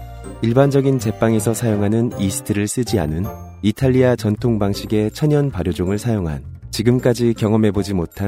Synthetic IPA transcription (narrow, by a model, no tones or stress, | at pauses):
iɭband͡ʑʌɡint͡ɕe̞p͈aŋe̞sʰʌsʰajoŋɦanɯnisʰɯ̥tʰɯɾɯɭs͈ɯd͡ʑia̰nɯn | itʰaʎːiat͡ɕʌntʰoŋbaŋɕʰiɡe̞t͡ɕʰʌɲʌnpaɾjod͡ʑoŋɯɭsʰajoŋɦa̰nt͡ɕiɡɯmk͈ad͡ʑikjʌŋʌmɦe̞bod͡ʑimotʰa